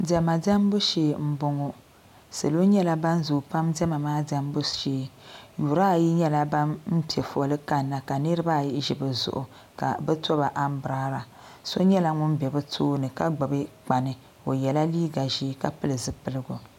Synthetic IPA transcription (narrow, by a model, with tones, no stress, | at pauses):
dɛ˨ma˨da˦m˦bʊ˦ʃeː˨m̩˦bʊ˦ŋo˦ | sɨ˨lo˦ɲɛ˦la˦ba˦nzʊ˨pa˦mdɛ˦ma˨maː˦da˦m˦bʊ˦ʃeː˦ju˨ɾa˦˨ji˦ɲɛ˦la˦ba˦nm̩˦pi˨ɛ˨fɔ˨lɨ˦ka˨nːa˨ka˨nɨ˦ɾɨ˦ba˦˨ji˦ʒi˨bɨ˨zʊ̰˨ʔʊ˨ | ka̰˨bɛ˦tɔ˦ba˨ʔa˦m˦bɾaː˦ɾa˨ | so˦ɲɛ˦la˦ŋʊ˦nbɛ˨bɨ˦tʰoː˦nɨ˨ka˦ɡ͡ba˨bɨ˦k͡pa˨nɨ˨ | o˨jɛ˨la˦liː˦ɡa˨ʒiː˦ka˨pɨ˦lɨ˨zɨ˦pɨ˨lɨ˦ɡʊ˨